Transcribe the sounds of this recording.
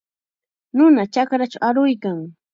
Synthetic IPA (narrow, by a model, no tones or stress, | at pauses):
nʊnat͡ʃakɾat͡ʃawaɾʊjkaŋ